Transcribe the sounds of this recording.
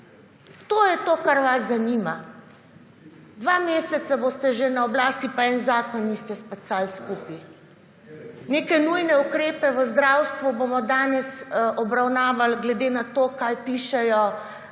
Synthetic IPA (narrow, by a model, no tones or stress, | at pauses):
t̪oːjɛt̪oːkaɾʋaszaniːma | d̪ʋameːsɛt̪saboːst̪ɛʒenaɔblaːst̪ipaɛnzaːkɔnːist̪ɛspɛsaːlskuːpi | neːkɛnujnɛukɾeːpɛʋəzd̪ɾawst̪ʋubomɔd̪aːnɛsʔɔbɾawnaːʋalɡlɛd̪enat̪oːkajpiːʃɛjɔ